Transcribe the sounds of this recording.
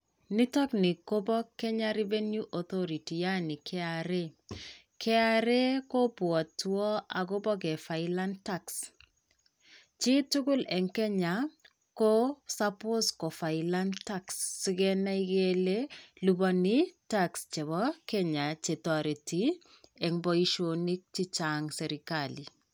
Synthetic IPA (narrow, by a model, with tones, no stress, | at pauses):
ni˦tɔ˦knɪ˨ko˦bɔ˦kːɛ˦ɲa˦ɾi˦ve˦nju˦ʔɔ˨t̪ɔ˦ɾi˨ti˨ja˦nɪ˨kʰɛ˦aɾe˦ | kʰɛ˦a˦ɾe˦ko˦pwɔ˨twɔ˦a˨ɡo˦bɔ˦k̬ɛ˨fa˨ɪla˦nta˦ks | t͡ʃɪ˦tu˦ɡʊ˦lɛ˨ŋkɛ˦ɲa˨ | ko˦sapo˦skɔ˨fa˨ila˦ntaksːi˦ɡɛ˦na˦i˦ɡelelubɔnitakst͡ʃe˨βɔkɛɲa˨t͡ʃe˨tɔ˨ɾe˨ti | ɛ˨ŋbɔ˦i˦ʃoni˦k̚t͡ʃi˦t͡ʃaŋsɛ˨ɾikali˨